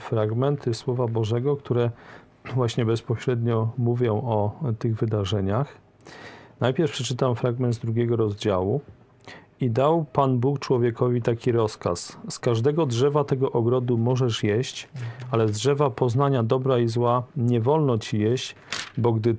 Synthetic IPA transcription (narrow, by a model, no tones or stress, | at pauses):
fɾaɡmɛnt̪ɘswɔvabɔʐɛɡɔkt̪uɾɛ | vwaɕɲɛbɛspɔɕɾɛd̪ɲɔmuvʲjɔ̃w̃ɔt̪ɘɣvɘd̪aʐɛɲax | najpʲjɛɾfpʂɛt͡ʂɘt̪amfɾaɡmɛnd̪zd̪ɾuɡʲɛɡɔɾɔzd͡ʑawu | id̪awpanbukt͡ʂwɔvʲjɛkɔvʲit̪akʲiɾɔska̰sskaʐd̪ɛɡɔdʐɛvat̪ɛɡɔʔɔɡɾɔd̪umɔʐɛʂjeɕt͡ɕalɛzdʐɛvapɔznaɲad̪ɔbɾaizwaɲɛvɔlnɔt͡ɕijeɕt͡ɕ | bɔɡd̪ɘ